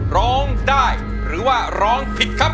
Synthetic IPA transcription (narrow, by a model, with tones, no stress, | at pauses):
ɾɔː˦˥ŋdaː˥˩j | ɾɯː˩˦waː˥˩ɾɔː˦˥ŋpʰi˨˩t̪̚kʰa˦˥p̚